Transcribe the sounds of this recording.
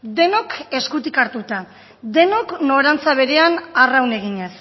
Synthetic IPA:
d̪e̞no̞ke̞skut̪ikaɾt̪ut̪a | d̪e̞no̞kno̞ɾant͡saβ̞e̞ɾe̞anarawne̞ɣ̞iɲe̞s

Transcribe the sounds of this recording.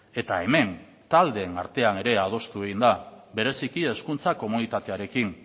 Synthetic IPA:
e̞t̪ae̞me̞n | t̪ald̪e̞ːnaɾt̪e̞ane̞ɾe̞að̞o̞st̪ueɣind̪abe̞ɾe̞sikie̞skunt͡sako̞munit̪at̪e̞aɾe̞kin

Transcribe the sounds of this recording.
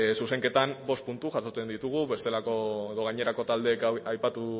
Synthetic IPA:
suse̞ŋke̞t̪ambo̞st̪̚punt̪uʝasot͡se̞nd̪it̪uɣ̞uβe̞st̪e̞lako̞eðo̞ɣ̞ajɲe̞ɾako̞t̪ald̪e̞kajpat̪u

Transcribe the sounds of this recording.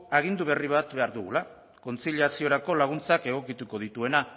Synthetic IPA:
aɣind̪uβ̞e̞riβat̪be̞aɾðuɣula | ko̞nt͡siliasio̞ɾako̞laɣ̞unt͡sake̞ɣ̞o̞kit̪uko̞ðit̪ue̞na

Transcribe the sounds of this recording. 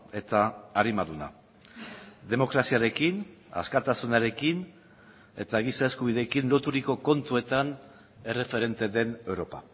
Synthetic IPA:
e̞t̪aːɾimaðuna̰ | ðe̞mo̞kɾasiaɾe̞kina̰skat̪asunaɾe̞kin | e̞̰t̪aɣ̞isae̞skuβ̞iðe̞kinlo̞t̪uɾiko̞ko̞nt̪ue̞t̪an | e̞re̞fe̞ɾe̞nt̪e̞d̪e̞ne̞wɾo̞pa

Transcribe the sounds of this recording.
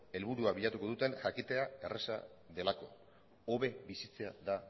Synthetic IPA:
e̞lβuɾuaβiʎat̪uko̞ðut̪e̞nʝakit̪e̞ae̞resa̰ | ðe̞lako̞̰ | oβe̞βisit͡seaða

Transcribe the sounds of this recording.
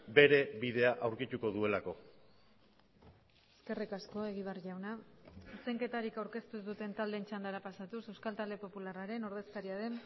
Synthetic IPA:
be̞ɾe̞βiðe̞aʔawɾkit̪uko̞ðue̞lako̞ | eske̞rikasko̞e̞ɣ̞iβ̞arʝawnait͡sejŋke̞t̪aɾikawɾke̞st̪uzd̪ut̪e̞nt̪ald̪e̞ːnt͡ʃand̪aɾapasat̪use̞wskalt̪ald̪e̞po̞pularaɾe̞no̞ɾðe̞skaɾiaðe̞n

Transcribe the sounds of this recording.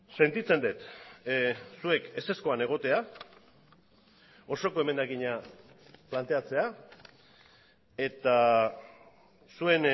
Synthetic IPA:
se̞nt̪it͡se̞nd̪et̪ | sue̞ke̞se̞sko̞ane̞ɣ̞o̞t̪e̞a | o̞so̞ko̞e̞me̞nd̪akiɲa | plant̪e̞at͡se̞a | e̞t̪a | sue̞n

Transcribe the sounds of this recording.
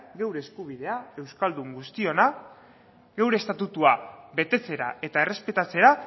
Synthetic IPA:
ɡe̞wɾe̞ːskuβ̞iðe̞ae̞wskald̪uŋɡust̪io̞na | ɡe̞wɾeːst̪at̪ut̪uaβe̞t̪e̞t͡se̞ɾa̰e̞t̪ae̞re̞spe̞t̪at͡se̞ɾa

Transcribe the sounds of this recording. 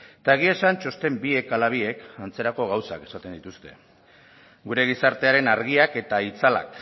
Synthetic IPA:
t̪aeɣ̞iesant͡ʃo̞st̪e̞mbie̞kalaβ̞ie̞kant͡se̞ɾako̞ɣawsake̞̥sat̪e̞nd̪it̪ust̪e̞̰ | ɡuɾe̞ɣ̞isaɾt̪e̞aɾe̞naɾɣ̞iake̞t̪ait͡sala̰k

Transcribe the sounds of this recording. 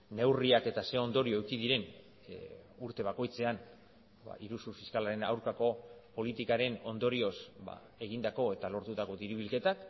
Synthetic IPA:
ne̞wriake̞t̪ase̞o̞nd̪o̞ɾio̞ewkiðiɾe̞n | uɾt̪e̞β̞ako̞jt͡se̞an | ba̰iɾusufiskalaɾe̞na̰wɾkako̞po̞lit̪ikaɾe̞no̞nd̪o̞ɾio̞sba̰ | e̞ɣ̞ind̪ako̞e̞t̪alo̞ɾt̪ut̪ako̞d̪iɾiβilke̞t̪ak

